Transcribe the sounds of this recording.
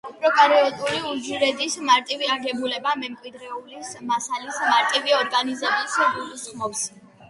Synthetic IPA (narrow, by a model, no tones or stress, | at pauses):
upʰɾɔkʼaɾiɔt̪ʼuliud͡ʒiɾɛd̪ismaɾt̪ʼiviaɡɛbulɛbamɛmkʼwid̪ɾɛulismasalismaɾt̪ʼiviɔɾɡanizɛbisɡulusχmɔps